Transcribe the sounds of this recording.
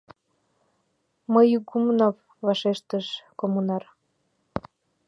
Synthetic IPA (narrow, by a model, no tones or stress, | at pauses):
məjɡumnov | vɑʃeʃt̪əʃkomunɑr